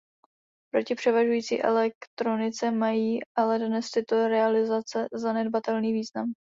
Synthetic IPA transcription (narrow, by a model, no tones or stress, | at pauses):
pɾo̞cɪpr̥ɛvaʒujiːt͡sḭːʔɛ̰lɛkt̪ɾo̞nɪt͡sɛmajiːʔalɛdnɛst̪ɪt̪o̞ɾɛalɪzat͡sɛzanɛd̚bat̪ɛlniːviːznam